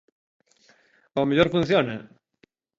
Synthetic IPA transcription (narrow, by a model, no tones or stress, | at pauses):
omeʎoɾfũn̟θjone